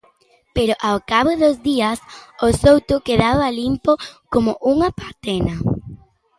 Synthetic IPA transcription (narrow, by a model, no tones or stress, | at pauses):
peɾoʔawkaβoðozðiɐsosowt̪ʊkeðaβalimpokomʊʔuŋɐpat̪ɛnɐ